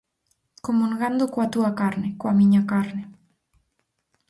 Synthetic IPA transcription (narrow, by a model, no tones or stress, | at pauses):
komũŋɡand̪ʊkoat̪uakaɾnekoamĩɲakaɾne